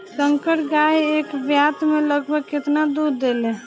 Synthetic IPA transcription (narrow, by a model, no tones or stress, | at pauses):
səŋkəʈɡajeːkbjat̪mẽləɡbʱəɡkɪt̪nad̪uɾd̪ele